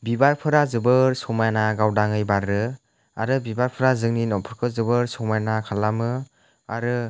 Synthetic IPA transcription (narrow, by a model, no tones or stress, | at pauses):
bibajpʰɯɾazɯbɯɾsɔmajnaɡawdaŋɯjbaɾɯ | a̰ɾɯbibaɾpʰɯɾazɯŋninɔwpʰɯɾkʰɯzɯbɯɾsɔmajnakʰalːamɯ | a̰ɾɯ